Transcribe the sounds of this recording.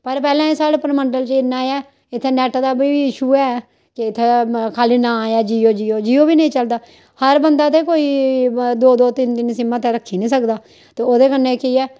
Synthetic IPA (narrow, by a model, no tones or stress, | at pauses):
pəɾpɛːlãːesaːɽepəɾməɳɖəlt͡ʃɪnːaːjɛː | ɪt̪ʰːeːnɛːʈːd̪aːbiːiːɪʃuːɛː | kɪɪt̪ʰːekʰaːliːnãːjaːd͡ʒiːoːd͡ʒiːoːd͡ʒiːoːbiːnəĩːt͡ʃəld̪aː | həɾbənd̪aːt̪eːkoːiːd̪oːd̪oːt̪ɪnt̪ɪnsɪməːt̪ɛːɾəkʰːiːnĩːsəkd̪aː | t̪eːoːd̪eːkənːeːkiːɛː